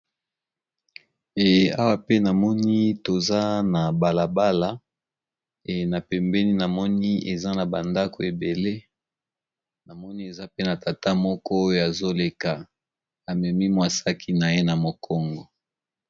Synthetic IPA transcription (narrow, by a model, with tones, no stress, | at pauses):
e˨a˦wa˦pe˦na˨mɔ˦ni˦to˨za˦na˨ba˨la˨ba˦la˦ | e˨na˨pɛ˨mbɛ˦ni˦na˨mɔ˦ni˦e˨za˦na˨ba˨nda˦kʰo˨e˨be˨le˦ | na˨mɔ˦ni˦e˨za˦pe˦na˨ta˨ta˦mɔ˦kɔ˦o˦jo˦ja˨zo˦le˨ka˨ | a˨mɛ˨mi˦mwa˨sa˦kʰi˦na˨je˦na˨mo˨kʰɔ˦ŋɡɔ˨